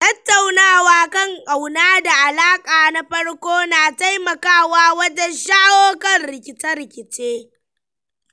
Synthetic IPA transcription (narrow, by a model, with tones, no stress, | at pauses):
tɐ˦tːa˨wnaː˦˨waː˦kɐ˦˨ŋkʼa˨wnaː˦da˨ʔa˨laː˦kʼaː˨na˦ɸɐ˦ɽkʷoː˦naː˨ta˦jmɐ˨kaː˦waː˦wɐ˦d͡ʒɛ˦nʃaː˦woː˦kɐ˦nɾɪ˨kʲɪ˨tɐ˦ɾkʲɪ˨t͡ʃeː˦